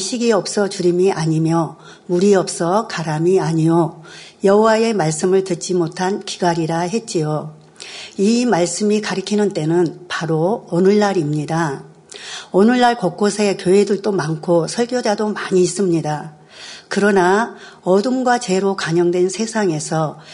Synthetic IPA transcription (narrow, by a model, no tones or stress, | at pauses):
ɕʰiɡiʌp̚s͈ʌt͡ɕuɾimiʔaɲimjʌ | muɾiʌp̚s͈ʌkaɾamiaɲiojʌɦowae̞maɭs͈ɯmɯɭtɯt̚t͡ɕ͈imotʰanki̥ɡaɾiɾaɦe̞t̚t͡ɕ͈ijo | imaɭs͈ɯmikaɾɯkʰinɯnt͈e̞nɯnpaɾoʌnɯɭːaɾimɲida | ʌnɯɭːaɭkok͈osʰe̞kjoedɯɭt͈omaŋkʰosʰʌɭɡjod͡ʑadomaɲiːs͈ɯmɲida | kɯɾʌna | ʌdɯnɡwat͡ɕe̞ɾokaɲʌŋdwe̞nsʰe̞sʰaŋe̞sʰʌ